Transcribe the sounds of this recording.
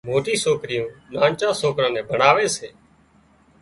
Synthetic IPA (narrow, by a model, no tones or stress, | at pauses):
moːʈiːsoːkɾɪjõːnãːnt͡ʃãːsoːkɾãːnɛ̃ːbʱəɳaːʋeːseː